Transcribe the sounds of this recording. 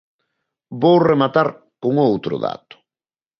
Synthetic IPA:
bowremat̪aɾ | koŋowt̪ɾʊ̰ða̰t̪ʊ̥

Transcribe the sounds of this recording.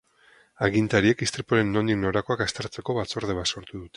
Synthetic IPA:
aɣint̪aɾie̞kist̪ɾepoɾe̞nːo̞nd̪ikno̞ɾako̞akast̪eɾt͡se̞ko̞βat͡so̞ɾð̞e̞βaso̞ɾt̪uðut̪e

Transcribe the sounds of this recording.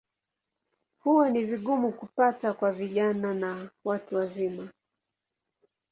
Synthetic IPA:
huwɔniviɠumukupatakwaviʄananawatuwazima

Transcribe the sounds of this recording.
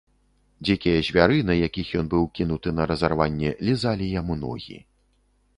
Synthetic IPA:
d͡zʲikʲijɐzʲvʲaɾɨnɐjakʲixjɔnbɨwkʲinut̪ɨnɐɾɐzarvanʲːɛlʲizalʲijamunɔ̰ɣʲḭ

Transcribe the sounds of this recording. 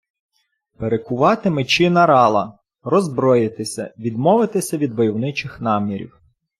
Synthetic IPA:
peɾekʊʋɑt̪ɪmɪt͡ʃɪnɐɾɑlˠɐ | rɔzbɾɔjɪt̪ɪsʲɐ̰ʋʲid̪mɔʋɪt̪ɪsʲɐʋʲid̪bɔjɔwnɪt͡ʃɪxnɑmʲiɾʲḭw

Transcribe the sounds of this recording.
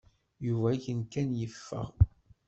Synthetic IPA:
juvæçənkænjəfːə̰ʁ

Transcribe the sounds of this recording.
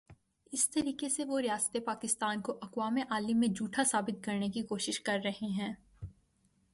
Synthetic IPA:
ɪst̪ɐɾiːkeseʋoɾɪjaːst̪epaːkɪst̪aːnkoʔɐkwaːmeʔaːlimːẽd͡ʒuːʈʰasaːbɪt̪̚kɐɾnekikoːʃɪʃkɐɾːɐɦeɦɛ̃ː

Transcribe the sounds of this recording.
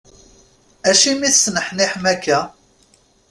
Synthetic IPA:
æʃimiθsnəħniħmækːæ

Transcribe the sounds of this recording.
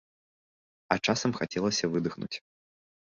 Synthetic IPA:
ɐt͡ʂasɐmxat͡sʲɛlˠɐsʲɐvɨd̪ɨxnṵt͡sʲ

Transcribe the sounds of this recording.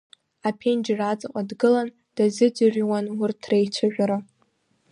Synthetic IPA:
apʰend͡ʒrat͡sʼɨqʼadɡɨlan | d̥azɨdɨrwanwʊrtʰrejt͡ʃʷʰaʒᶣʷaɾa

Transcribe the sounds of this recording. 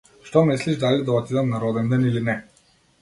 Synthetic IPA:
ʃt̪ɔmisliʒd̪alid̪aɔt̪id̪annaɾɔd̪ɛnd̪ɛnilinɛ

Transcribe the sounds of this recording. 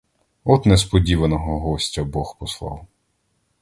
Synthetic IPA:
ɔt̪nɛspɔdʲiʋɐnɔɦɔɦɔsʲtʲɐbɔxpɔslˠɑ̰w

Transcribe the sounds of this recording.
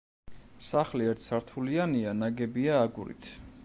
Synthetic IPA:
saχliɛɾt̪ʰsaɾt̪ʰulianianaɡɛbiaːɡuɾḭt̪ʰ

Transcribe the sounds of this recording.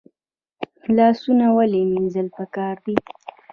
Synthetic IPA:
lɑsunawaleminzəlpəkɑɾd̪i

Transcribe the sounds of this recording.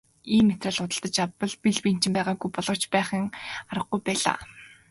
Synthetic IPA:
iːmːet̪răːɮʊt̪ə̆ɬt̪ə̆t͡ɕapə̆ɮpiɮpin̥t͡ɕɪ̆mpæːʁaːɡujpɔɮʁɞ̆kt͡ɕpæːχĭŋaɾə̆χɡujpæːɮa̰ː

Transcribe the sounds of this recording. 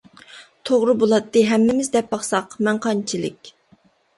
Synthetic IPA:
t̪ʰoʁɾɨbolˠɑt̪ːɨɦɛmːɪmɪzd̪ɛp̚bɑχsɑqmɛŋqʰɑnt͡ʃʰilɪ̰kʲ

